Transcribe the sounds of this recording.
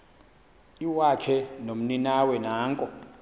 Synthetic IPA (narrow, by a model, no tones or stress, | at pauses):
iwakʰɛnom̩ninawɛnaːŋkʼɔ